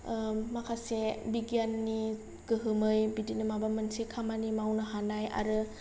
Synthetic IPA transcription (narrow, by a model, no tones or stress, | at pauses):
makʰasebiɡianːi | ɡ̥ɯɦɯmɯjbidinɯmabamansekʰamanimawnɯɦanaja̰ɾɯ